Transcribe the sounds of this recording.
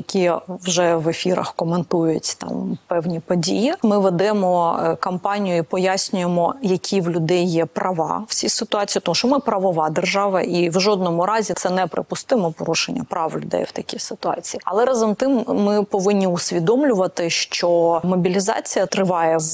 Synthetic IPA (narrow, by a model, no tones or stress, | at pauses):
jɐkʲiwʒɛʋefʲiɾɐ̰xkɔment̪ujʊtʲt̪ɑ̰mpɛwnʲipɔdʲḭjimɪʋɛd̪ɛmɔkɐmpɑnʲijʊipɔjasʲnʲʊjemɔjɐkʲʰiwlʲʊd̪ɛjːɛpɾɐʋɑ̰w̥t͡sʲsʲisɪt̪ʊɑt͡sʲiːpt̪ɔmuʃɔmɪpɾɐʋɔʋɑd̪erʒɑʋɐ̰ʔiwʒɔd̪nɔmʊɾɑzʲit̪sɛnɛpɾɪ̰pʊst̪ɪmɔpɔɾuʃenʲːɐ̰pɾɑwlʲʊ̰d̪ɛ̰jwt̪ɐkʲisɪt̪ʊɑ̰t͡sʲijiːɐ̰lˠɛɾɑzɐmt̪ɪmːɪpɔʋɪnʲːiʊsʲʋʲid̪ɔmlʲʊʋɐt̪ɪʃt͡ʃɔmɔbʲilʲizɑ̰t͡sʲijɐt̪ɾɪʋɑjɛ